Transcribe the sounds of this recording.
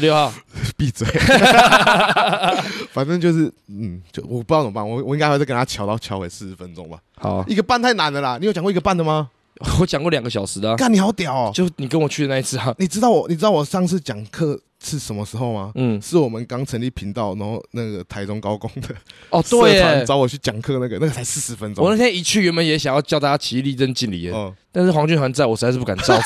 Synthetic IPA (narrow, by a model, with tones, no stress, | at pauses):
ljo˥˧ʊɑ˥˨˩pi˥˧˩t͡swe˥˩ | fa˨˩nʈ͡ʂə˥˧ŋt͡ɕjo˥˧ʊʂɻ̩˥˩n̩˥˩t͡ɕo˥˩ʊwɔ˨˩pu˧˥jɑ˥˩nə˨˩pa˥˨nwɔ˨˩wɔ˨˩i˧ŋa˥ɪxkə˧nʰa˥t͡ɕʰjɑ˨˥ʊt̪ɑ˥˩ʊt͡ɕʰjɑ˧˥ʊwe˨˥ɪʂɻ̩˥˩˧fə˦nʈ͡ʂʊ˦ŋba̰˨˩hɑ̰˨˩i˥˩ɡə˨˩pa˥˩nt̪ʰa˥ɪna˧˦nd̪ə˨la˨ni˨jt͡ɕŋkwɡə˧pa˥˩nd̪ə˨˩ma˧˨˩ | wɔ˨˩t͡ɕɑ˨˩ŋkwɔ˥˩ljɑ˨˩ŋɡə˦ɕjɑ˨˩ʊʂɻ̩˧˦lə˧˦ka˥˩nːi˨˩xɑ˧˥ʊt̪jɑ˨˩ʊ˨t͡ɕjo˥˧ʊ˨ni˨˩k̬ə˦nwɔ˨˩t͡ɕʰy˥d̪ə˨na˥˧i˦˥t͡sʰɹ̩˥˧˨ni˨˩ʈ͡ʂɻ̩˥t̪ɑ˥˩ʊɔ˨˩ni˨ʈ͡ʂɻ̩˥t̪ɑ˥˩ʊwɔ˨˩ʂɑ˥˧ŋʂ̬ʰɻ̩˥˩t͡ɕjɑ˨˩ŋkʰɤ˥˧ | ʂ̩ʰ˥˩ʂə˨˦nmə˧ʂɻ̩˧˦xo˥˧ʊma˦n̩˥˩ʂɻ̩˥˩wɔ˨˩mə˦nkɑ˥ŋt͡sʰə˧˦nli˥˩pʰi˧˥nt̪ɑ˥˨ʊna˧˦xo˥˧ʊna˥˩ɡə˩t̪ʰa˧˥ɪʈ͡ʂʊ˥ŋkɑ˦ʊkʊ˦ŋd̪ə˨ɔ˨t̪we˥˨˩ɪa˧˦nt͡sɑ˥ʊwɔ˨˩t͡ɕʰy˥˩t͡ɕjɑ˨˩ŋkʰɤ˥˧na˥˩ɡə˨na˥˩ɡə˨t͡sʰa˧˥ɪsɹ̩˥˩ʂɻ̩˧˥fə˦nʈ͡ʂo˥wɔ˦˨na˥˧˩t̪jɛ˥ni˨˥t͡ɕʰy˥˨ɥɛ˧˥nmə˧˦njɛ˧˥ɕja˨˩ŋjɑ˥˧ʊt͡ɕɑ˥˧ʊt̪ːt͡ɕa˥t͡ɕʰi˧li˥˧t͡sə˥˦nt͡ɕi˥˩nlḭ˨˩˦t̪a˥˧nʂ̩˥˩xwɑ˧˥ŋt͡ɕy˥˩nxn˥˩˥ɪwɔ˨˩ʂ̩˧˥˧sʂ̩˥˩pu˥˧ka˨˩nʈ͡ʂɑ˥˦ʊ